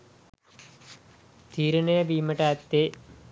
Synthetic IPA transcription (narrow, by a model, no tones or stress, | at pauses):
t̪ʰiːɾɐnɐjɐbiːmɐʈaːt̪ːe